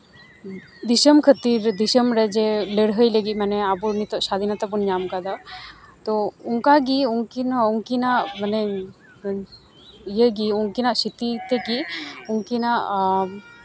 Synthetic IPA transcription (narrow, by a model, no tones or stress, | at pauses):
d̪isəmkʰət̪iɾd̪isəmɾɛd͡ʒɛleɽɦəjləɡiˀmanɛabuɾnit̪ɔʔsad̪ʱinat̪abunɲamkad̪at̪ɔuŋkaɡiuŋkinauŋkinaʔmanɛ | jəɡiuŋkinaʔsit̪it̪ɛɡiuŋkinaʔ